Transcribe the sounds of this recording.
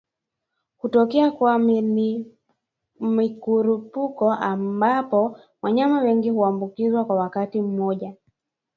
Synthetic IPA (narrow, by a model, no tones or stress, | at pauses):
hutɔkɛakwa | mikuɾupukɔʔambapɔ | waɲamawɛŋɡihuambukizwakwawakatim̩mɔʄa